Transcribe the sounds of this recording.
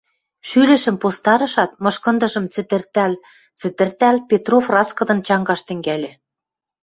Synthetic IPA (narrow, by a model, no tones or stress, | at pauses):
ʃylɘ̆ʃə̆mpost̪ɑɾɤ̆ʃɑt̪̚mɤ̆ʃkɤ̆nd̪ɤ̆ʒɤ̆mt͡sɘt̪ɘrt̪æl | t͡sɘ̆t̪ɘ̆rt̪ælpʲet̪rofrɑskɤ̆d̪ɤ̆nt͡ɕɑŋɡɑʃt̪ɘ̆ŋɡælʲĕ